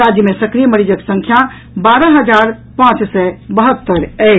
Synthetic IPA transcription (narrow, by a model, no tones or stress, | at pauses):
ɾad͡ʒjəmesəkɾijməɾid͡ʒəksə̃ŋkʰja | baɾəɦəd͡ʒaɾ | pãt͡ʃsɛbəɦət̪ːəɾɛ